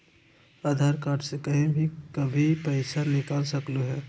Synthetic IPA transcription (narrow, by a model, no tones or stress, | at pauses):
aːd̪ʱaːɾkaːɾʈsekɐɦĩbʱikɐbʱipɛːɪsanɪkalsɐkluɦɛː